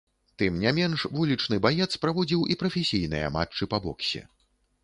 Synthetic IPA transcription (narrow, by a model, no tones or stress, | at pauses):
t̪ɨmnʲamʲɛnʂvulʲit͡ʂnɨbajɛt̪spɾavɔd͡zʲiwʔipɾɐfʲesʲijnɨjɐ̰ma̰t͡ʂːɨpabɔ̰ksʲɛ̰